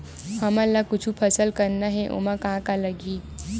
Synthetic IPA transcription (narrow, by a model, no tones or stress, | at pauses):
həmalːakʊt͡ʃʰupʰəsəlkəɾnaɦɛʔo̰mãkãkaləɡiː